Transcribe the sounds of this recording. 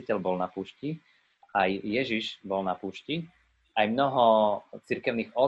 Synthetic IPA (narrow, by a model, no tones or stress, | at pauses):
icɛlbɔlnapuːʃci | ajːɛʒiʒbɔlnapuːʃci | ajmnɔɦɔt͡siɾkɛʊniːɣɔ